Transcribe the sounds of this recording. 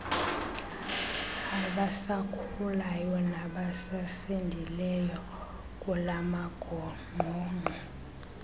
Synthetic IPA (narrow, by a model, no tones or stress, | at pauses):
aɓasakʰuulajɔnaɓasasendʱilɛjɔ | kʼulamaɡ̥ʱɔ | ŋ͡ǃʱɔːŋ͡ǃʱɔ